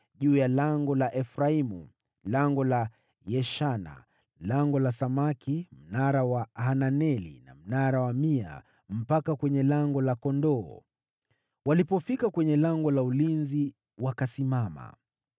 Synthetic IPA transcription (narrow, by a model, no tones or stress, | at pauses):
ʄuːjalaŋɡɔlaʔɛfɾaimṵ | laŋɡɔla | jɛʃana̰ | laŋɡɔlasamakʰim̩naɾawahananɛlḭna̰m̩naɾawamia̰ | m̩pakakwɛɲɛlaŋɡɔlakɔndɔː | walipɔfikakwɛɲɛlaŋɡɔlaulinzi | wakasimama̰